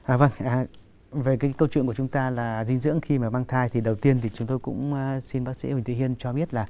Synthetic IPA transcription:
ʔaː˨˩və˧ŋʔaː˨˩ | ve˨˩kaː˨˦jkə˧wt͡ɕwḭ˧˨nkə˨t͡ɕʊ˨˦ŋ͡mt̪aː˧laː˨˩zï˧ŋ̟zɨ̰˧˥əŋxi˧maː˨˩maː˧ŋt̪ʰaː˧jt̪ʰi˨˩ɗə˨˩wt̪i˧ənt̪ʰi˨˩t͡ɕʊ˨˦ŋ͡mt̪o˧jkʊ̰˧˥ŋ͡mʔsi˧nɓaː˦˥k̚sḭ˧˥˦hi̟˨˩t̪ʰḭ˧˨hi˧ənt͡ɕɔ˧ɓi˦˥ət̚laː˨˩

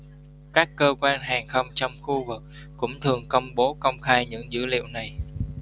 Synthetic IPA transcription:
kaː˦˥kːəː˧kwaː˧nɦaː˨˩ŋxə˧wŋ͡mt͡ɕɔ˧wŋ͡mxu˧vɨ˨˩k̚ːʊ̰˧˥ŋ͡mt̪ʰɨ˨˩əŋkə˧wŋ͡mɓo˨˦kə˧wŋ͡mxaː˧jɲɨ̰˧˥ŋzɨ̰˧˥lḭ˧˨əwna˨˩j

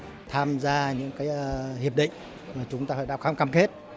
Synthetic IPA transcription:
t̪ʰaː˧mzaː˧ɲɨ̰˧˥ŋkaː˨˦ja˧hi˨˩əp̚ɗḭ̈˧˨ŋ̟ | maː˨˩t͡ɕʊ˨˦ŋ͡mt̪aː˧faː˧˩ɗa̰˧˩wkaː˧mkaː˧mke˦˥t̚

